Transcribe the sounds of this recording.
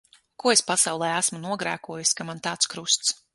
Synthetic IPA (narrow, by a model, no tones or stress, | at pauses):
kuɔespasɑwlˠɛːæsmunuɔɡɾæ̰ːkuɔjuskamant̪aːt̪skɾust̪s